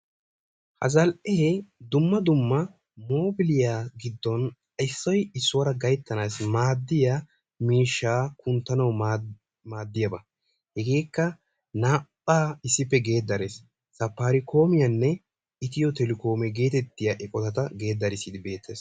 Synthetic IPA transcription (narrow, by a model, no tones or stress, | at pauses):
hɐ̰zɐlʔɛed̪ʊmːɐd̪ʊmːɐ | mo̞ːbɪlɪjaɡɪd̪ːɔn | ɐjsːɔjɪsːʊwɐɾɐɡɐjt̪ːɐnaːsmaːd̪ːɪja | miːʃːaːkʊnt̪ːɐnɐw | maːd̪ːɪjɐbɐ | hɛɡe̞ːkːɐ | naːpʼːaːɪsːɪpːɛɡe̞ːd̪ːɐɾes | sɐpːaːɾɪko̞ːmɪjɐnːɛ | ɪt̪ɪjɔt̪ɛlɪko̞ːmɛɡe̞ːt̪ɛt̪ːɪjaːʔɛkʼɔt̪ɐt̪ɐɡe̞ːd̪ːɐɾɪsid̪ɪbe̞ːt̪ʰːes